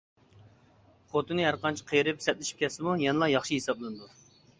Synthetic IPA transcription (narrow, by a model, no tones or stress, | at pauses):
χot̪ɨnɨɦæɾqɑnt͡ʃʰi̥qʰəjɾɪpsɛt̪̚lɪʃi̥p̚kʲʰɛsɪmujɛnɨlˠɑjɑχʃiɦesɑblˠɨnɨd̪u